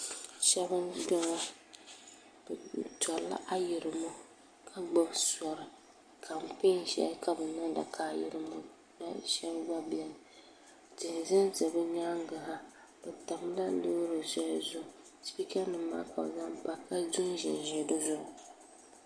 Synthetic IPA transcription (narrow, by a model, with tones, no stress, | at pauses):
ʃɛ˦bɨ˦dɔ˦ŋɔ˦ | b̥tɔ˨˦la̰˦ʔa˦jɪ˨ɾɨ˨mɔ˦ | kʰa˦ɡ͡ba˦bsɔ˨ɾɨ˨ | kʰa˨m̩˨pe˦nʃɛ̰˨lka˦bɨ˨na˦da̰˨kʰaː˦˨jɪ̰˨ɾɨ˦mɔ˦ | na˦ʃɛ˦bɡ͡ba˦bi˦ɛ˨nɨ˨ | tɨ˨n˨za˦nzɨ˨bɨ˦ɲaː˦ŋ˦ɡa˨ha˦ | b̥ɛ˨ta˨m˦la˦lo˦ɾo˨sɔ˦a˦zʊ˦˨ʊ˨ | spi˦ka˦nɨ˨ma̰ː˦ka̰˨bza˦mpa˦ka˦zʊ˦n˦ʒɪ̰˨n˨ʒɛ˨do˦zʊ˦ʔʊ˨